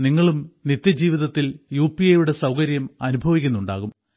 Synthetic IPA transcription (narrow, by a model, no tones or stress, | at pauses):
niŋːɐɭumnit̪jɐd͡ʑiːʋiðɐt̪ːiljuːpiejuɽe̞sɐwkɐɾjɐmɐnubʱɐʋikʲːunːuɳɖa̰ːɣum